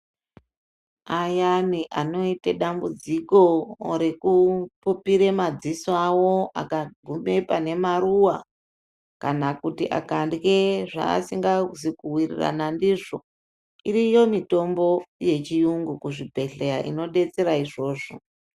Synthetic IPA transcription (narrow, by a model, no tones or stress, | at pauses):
ajamiʔano̞iteɗambud͡ziko̞ɾe̞kupupiɾemad͡ziswawo̞a̰kaɡʱumepane̞maruwa | kanakutiʔa̰kandɣeʐa̰ːsiŋɡazikuwirḭra̰nandiʐo̞ | iɾijo̞mito̞mbo̞je̞t͡ʃijuŋɡukuʐibʱe̞ɬejaʔḭno̞ɗe̞t͡se̞ɾaiʐo̞ːʐo̞̰